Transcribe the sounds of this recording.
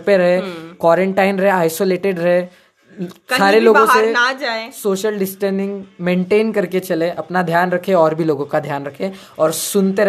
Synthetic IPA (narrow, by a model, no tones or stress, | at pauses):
peɾɐɦekwɔːɾẽɳʈaːɪnɾɐɦeaːɪsoːleːʈeɖɾɦe | aːɾeloːbɡõsenad͡ʒaːesoːʃəlɖɪsʈəɾnɪ̃ŋɡmẽːɳʈeːnkɐɾket͡ʃɐleʔɐpnad̪ʱjaːnɾɐkʰẽɔːɾbʱiloːɡõkad̪ʱjaːnɾɐkʰẽ | ɔːɾsʊnt̪eɾɐ